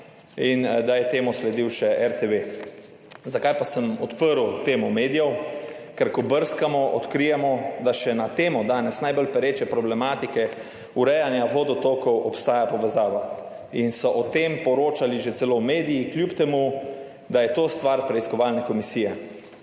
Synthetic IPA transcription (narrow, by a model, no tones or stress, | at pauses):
ind̪ajɛt̪eːmɔslɛd̪iwʃɛʔɛɾt̪eʋe | zakajpasəmɔt̪pəɾwt̪eːmɔmeːd̪ijɛwkɛɾkɔbəɾskamɔʔɔ̰t̪kɾijɛmɔd̪aʃɛnat̪eːmɔd̪aːnɛsnajbəlpɛɾeːt͡ʃɛpɾɔblɛmaːt̪ikɛ | uɾɛjanjaʋod̪ɔt̪oːkɔwɔpst̪aːjapɔʋɛzaːʋa | insɔʔɔt̪empɔɾoːt͡ʃaliʒet̪sɛlowmeːd̪ijiklʲjupt̪ɛmu | d̪ajɛt̪oːst̪ʋaɾpɾɛiskɔʋalnɛkɔmisiːjɛ